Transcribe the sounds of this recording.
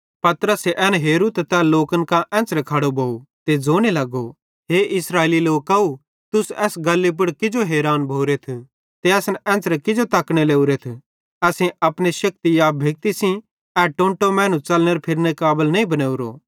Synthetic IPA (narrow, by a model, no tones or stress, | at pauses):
pɐt̪ɾəseʔɛːnɦeːɾut̪t̪ɛloːkənkãʔɛ̃ːt͡sɾekʰɐɽobʱoːut̪ed͡zoːñelɐɡo | ɦeːʔɪsɾaːeliloːkːɐu | t̪ʊsɛːsɡɐlːep̬ʊɽkɪd͡ʒoɦeːɾaːnbʱoːɾet̪ʰu | t̪eɐsnɛ̃ːsɾɛkɪd͡ʒot̪ɐkɽ̃eleːuɾet̪ʰ | ɛːsẽɐpɽ̃eʃɐk̚t̪ijaːb̚bʱeːk̚t̪isĩ | ɛʈõːɳʈomɛ̃ːñũt͡ʃɐlneɾpʰɪɾnekaːbəlnɐĩbɐneːuɾo̰